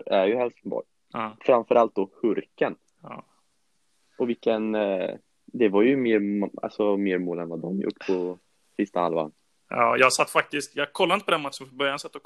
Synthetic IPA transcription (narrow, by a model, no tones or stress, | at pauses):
æɾjɵhɛlsŋbɔ̰ɾ | fɾamfœɾʔalt̪̚d̪ɔhɵɾkənː | ɔvɪkːən | d̪ɛvaɾjɵmeːɾma̰lsɔmeːɾmoːlɛnvad̪ɔmjʊ̰ʈːpʰɔ | sɪst̪aha̰lva̰n | ɑ̰ːjɑːsat̪ːfak̚t̪ɪst̪jɑkʰɔlːanəpɔd̪ɛnmat̪ːʂɔmfɔbœɾjansat̪ːɔ